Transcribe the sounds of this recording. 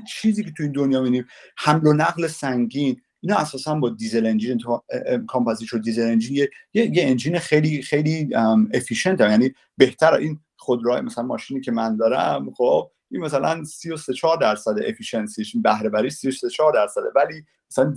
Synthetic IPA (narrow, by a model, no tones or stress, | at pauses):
t͡ʃʰiːziːcʰet̪ʰuiːnd̪onjɒːmid̪imhæmlonæɣlesæŋɟiːn | ʔiːnɒːæsɒːsænbɒːd̪ize̞lend͡ʒinkʰɒːmpʰæziɾʃod̪izele̞nd͡ʒinjejejeend͡ʒiːnexejliːxejliːmefiːʃe̞nt̪ʰæmjæniː | be̞ht̪ʰæɾæ̰ʔin | χod̪ɾɒːjemæsælænmɒːʃiːniːcʰe̞mænd̪ɒːɾæmχob̚ | ʔinmæsælæ̰nsijoset͡ʃʰɒːɾd̪æɾsæd̪eʔefiʃe̞nsiinbæhɾe̞bæɾiːsijoset͡ʃʰɒːɾd̪æɾsæd̪evæliː | mæsælæn